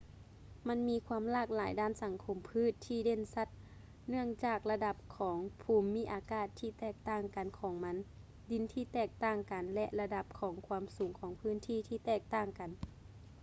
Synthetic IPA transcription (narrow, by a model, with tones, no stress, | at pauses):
ma˧˥nmiː˧˥kʰwaː˧˥˨mlaː˧˥˩k̚laː˩˦jdaː˧˥˨nsa˨˩˦ŋkʰo˧mpʰɯː˧˥˨t̪ʰːiː˧˨de˧˨nsa˧˥t̪̚ | nɯ˧˩əŋt͡ɕaː˨˩k̚la˧da˧˩p̚kʰɔː˩˦ŋpʰuː˧˩mːiː˧˥ʔaː˧˦kaː˧˩t̪ʰːiː˧˩t̪ɛː˧˩k̚t̪aː˧˩ŋka˨nkʰɔː˨˩˦ŋma˧˥n | di˨˧˦nt̪ʰiː˧˩t̪ɛː˧˩k̚t̪aː˧˩ŋka˨nlɛ˧ʔla˧da˧p̚kʰɔː˩˦ŋkʰwaː˧˥msuː˨˦ŋkʰɔː˨˩˦ŋpʰɯː˧˥˨nt̪ʰiː˧˩˨t̪ʰiː˧˩t̪ɛː˧˩k̚t̪aː˧˩ŋka˨n